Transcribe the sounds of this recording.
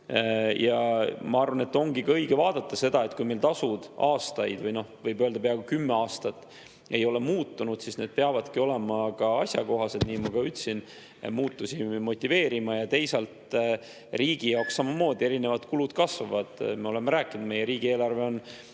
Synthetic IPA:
jɑmɑɑrvɑne̞t̪ːo̞ŋɡ̥ikɑɤjɡ̥evɑːd̪̥ɑt̪ˑːɑse̞d̪ɑe̞t̪kujme̞jlt̪ɑsud̪̥ɑːst̪ɑjd̪̥vɤjno̞hvɤjbøːld̪ɑpeɑɡ̥ukymːeɑːst̪ɑt̪ːˑ | e̞jo̞le̞muːt̪ːunud̪̥sisne̞d̪̚peɑvɑd̪̥kio̞le̞mɑkɑɑsʲjɑko̞ɦɑse̞d̪̥niːmɑkɑyt̪ːsin | muːt̪ːusimo̞t̪ʲˑːive̞ːɾimɑjɑt̪e̞jsɑlt̪ | riːɡ̥ijɑwkssːɑmɑmo̞ːd̪ie̞ɾine̞vɑt̪kulud̪̥kɑsvɑvɑd̪̥me̞o̞lemeɾæːkːˑinud̪me̞jːeɾiːɡ̥ie̞ːlɑrve̞o̞n

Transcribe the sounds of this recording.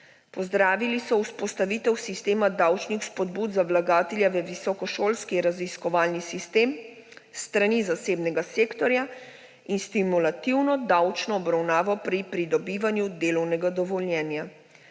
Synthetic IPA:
pɔzd̪ɾaːʋilisɔuspɔst̪aʋiːt̪ɛwsist̪eːmad̪awt͡ʃnixspɔd̪buːd̪zaʋlaɡaːt̪ɛljaʋɛʋisɔkɔʃoːlskiɾaziskɔʋaːlnisist̪em | st̪ɾanizaseːbnɛɡaseːkt̪ɔɾja | inst̪imulat̪iwnɔd̪awt͡ʃnɔːbɾawnaːʋɔpɾipɾid̪ɔbiːʋanjud̪eːlɔwnɛɡad̪ɔʋɔlnjɛːnja

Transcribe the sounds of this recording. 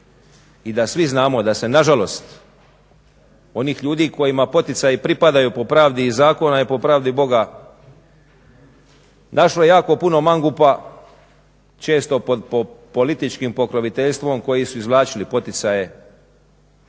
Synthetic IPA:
id̪asʋiznaːmo̞d̪ase̞naʒalo̞st̪ | o̞niːxʎuːd̪iːko̞jimapo̞t̪it̪sajipɾipad̪ajupo̞pɾaːʋd̪iːzaːko̞naipo̞pɾaːʋd̪ibo̞ɡa | naʃloje̞jaːko̞puno̞maŋɡupa | t͡ʃe̞ːst̪o̞pod̪popo̞lit̪it͡ʃkimpo̞kɾoʋit̪eʎst̪ʋo̞mko̞jisuizʋlˠaːt͡ʃilipo̞t̪it̪saje̞

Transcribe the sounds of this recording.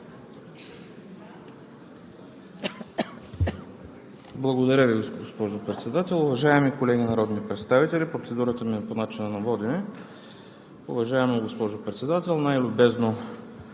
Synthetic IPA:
blˠɐɡod̪ɐɾʲəviɡoɡospɔʒopɾɛt̪sɛd̪at̪ɛlˠʊvɐʒaɛmikolɛɡʲinɐɾɔd̪nipɾɛt̪st̪avit̪ɛlipɾot̪sɛd̪uɾət̪əmiɛponat͡ʃinɐnɐvɔd̪inɛ | ʊ̰vɐʒaɛmnoɡospɔʒopɾɛt̪sɛd̪at̪ɛlˠnajlʲʊbɛzno

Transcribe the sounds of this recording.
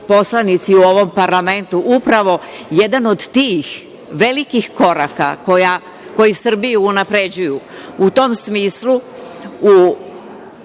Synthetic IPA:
po̞slˠanit̪siuo̞ʋo̞mpaɾlame̞nt̪uʔupɾaʋo̞je̞d̪ano̞d̪t̪iːx | ʋe̞likixko̞ɾaka̰koja | ko̞jisr̩bijuunapɾe̞d͡ʑuju | ut̪o̞msmiːslu | u

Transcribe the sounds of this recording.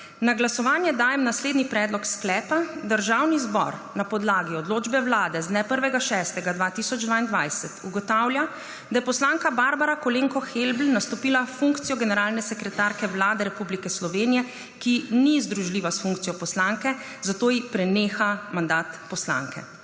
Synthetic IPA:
naɡlasɔʋaːnjɛd̪aːjɛmnasleːd̪nipɾɛːd̪lɔksklɛːpad̪əɾʒawnizbɔ̰ɾnapɔd̪laːɡiɔd̪loːd͡ʒbɛwlaːd̪ɛznɛpəɾʋɛɡaʃɛːst̪ɛɡad̪ʋaːt̪isɔd͡ʒd̪ʋaind̪ʋajsɛt̪uɡɔt̪awlʲja | d̪ajɛpɔslaːŋkabaɾbaɾakɔleŋkɔxelblnast̪ɔpiːlafuŋkt̪sijɔɡɛnɛɾaːlnɛsɛkɾɛt̪aɾkɛʋlaːd̪ɛɾɛpublikɛslɔʋeːnijɛ | kinizd̪ɾuʒliːʋasfuŋk̚t̪ijɔpɔslaŋkɛ | zat̪oːjipɾɛneːxamand̪aːt̪pɔsla̰ŋkɛ̰

